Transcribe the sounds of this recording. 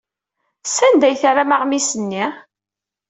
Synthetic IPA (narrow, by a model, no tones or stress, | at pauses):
sænd̪æjθɾamaʁmisənːi